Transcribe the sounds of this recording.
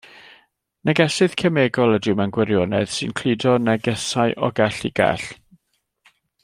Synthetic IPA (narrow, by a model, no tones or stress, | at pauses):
nɛɡɛsɨð̥kʰəmeːɡɔlˠədɪwmɛnɡwɛɾjonɛ̰ð̥sɨ̰nkʰl̥ɨdɔnɛɡɛsaɨʔɔ̰ɡɛɬiɡ̥ɛ̰ɬ